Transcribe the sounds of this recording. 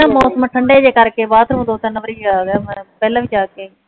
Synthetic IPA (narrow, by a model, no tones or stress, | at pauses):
əmɔːsəmʈʰɐɳɖed͡ʑeːkaɾekebaːt̪ʰɾɦũːnd̪ot̪ɐnɐʋəɾiaːpɛləʋɪd͡ʒaːkẽː